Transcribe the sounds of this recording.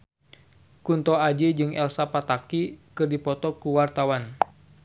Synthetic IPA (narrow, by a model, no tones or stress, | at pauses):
kunt̪ɔad͡ʒed͡ʒɨŋɛlsapat̪akikɨrdipɔt̪ɔkuwart̪awan